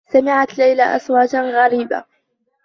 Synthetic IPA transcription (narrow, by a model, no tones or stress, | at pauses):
samɪʕat̪lajlaʔa̰swaːd͡ʒaɣaɾiːba̰